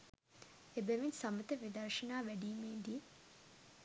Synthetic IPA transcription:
ebeʋinsɐmət̪əʋid̪ɐrʃɐnaːʋæɖiːmeːd̪iː

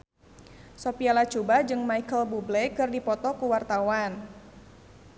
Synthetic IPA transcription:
sɔpialat͡ʃubad͡ʒɨŋmaikəlbublɛkɨrdipɔt̪ɔkuwart̪awan

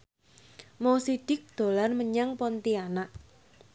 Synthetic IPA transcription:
mɔsiɖ̪̥ɪk̚d̪̥o̤larməɲaŋpɔnt̪ianaʔ

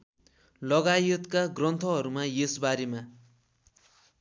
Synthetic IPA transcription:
lʌɡajʌt̪kaɡrʌnt̪ʰʌɦʌɾumajesbaɾema

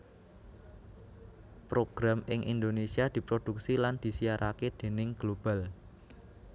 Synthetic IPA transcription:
pɾoɡ̥ɾamɪŋʔḭnd̪onesiad̪̥i̤pɾod̪̥uk̚siland̪̥i̤sijaɾʔaked̪̥e̤nɪŋɡ̥lob̥al

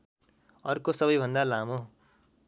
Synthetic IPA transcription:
ʌrkosʌbʌjbʱʌnd̪alamo

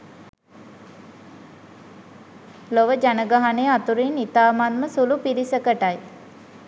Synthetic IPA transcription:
loʋəd͡ʒanəɡaɦanejat̪uɾinit̪aːmanməsulupiɾisəkəʈaj

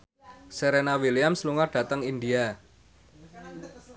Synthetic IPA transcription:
seɾenawiliamsluŋarɖ̥ä̤t̪əŋindia

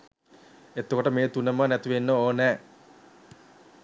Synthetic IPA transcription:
et̪ːokoʈəmeːt̪unəmənæt̪iʋenːəoːnɛː

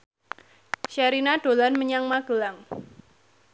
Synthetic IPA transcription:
ʃaɾinaɖ̥o̤lanməɲaŋmaɡ̥əlaŋ

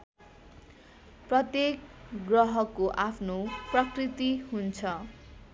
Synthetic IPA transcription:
prʌt̪jekɡrʌɦʌkoʔapʰnoprʌkrit̪iɦunt͡sʰʌ

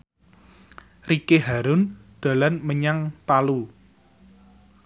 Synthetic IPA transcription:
rikeɦaɾʊnd̪̥a̤lanməɲaŋt̪alu

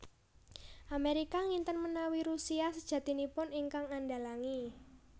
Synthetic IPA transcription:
ʔameɾikaŋint̪ənmənawiɾusiasəd̥ʒ̥ä̤t̪inipʊniŋkaŋandalaŋi

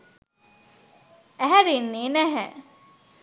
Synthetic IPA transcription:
æɦæɾinːiːnæɦɛ

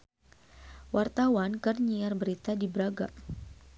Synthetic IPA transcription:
wʔart̪awankərɲiarbəɾit̪adibəɾaɡa

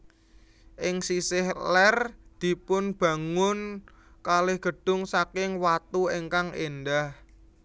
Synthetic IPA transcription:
ʔɪŋsisɪhlɛrd̪̥i̤pʊnb̥ä̤ŋʊn | kalɪhɡ̥ə̤ɖ̥ʊ̤ŋsakɪŋwat̪ueŋkaŋʔenɖah

